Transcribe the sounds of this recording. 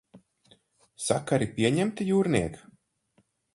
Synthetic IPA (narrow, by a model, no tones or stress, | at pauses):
sakaɾipiɛɲɛmt̪ijuːɾniɛk